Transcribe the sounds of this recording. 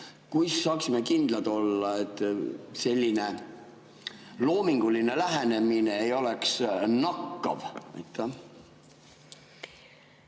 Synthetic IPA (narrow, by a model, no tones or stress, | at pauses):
kujsːɑːksimekind̪̥lɑd̪̥o̞lːɑe̞t̪ːˑse̞lʲːine̞ | lo̞ːmiŋɡ̥uline̞læɦene̞mineːjo̞leksnɑkːɑ̰vɑ̰jt̪ːˑɑ